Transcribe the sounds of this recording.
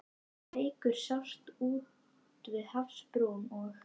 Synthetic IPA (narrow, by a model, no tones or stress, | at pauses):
eːjkʏɾ̥sawst̪uː | t̪vɪðhafspɾoːmɔɣ